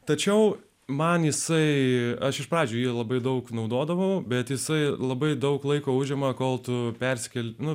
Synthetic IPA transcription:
t̪ɐt͡ʃʲɛʊ | mɐnjɪsɐɪɐʃɪʃpɾɑːd͡ʒʲuːjiɛlˠɐbɐɪd̪ɐʊknɐʊd̪oːd̪ɐʋɐʊbʲɛt̪jɪsɐɪlˠɐbɐɪd̪ɐʊklˠɐɪkoːʊʒʲɛmɐkoːlˠt̪ʊpʲɛɾʲsʲɪ̥kʲɛlʲnʊ

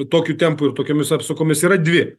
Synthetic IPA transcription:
t̪oːkʲuːt̪ʲɛmpʊɪɾt̪oːkʲoːmʲɪsɑːpsokoːmʲɪsiːɾɐd̪ʲʋʲɪ

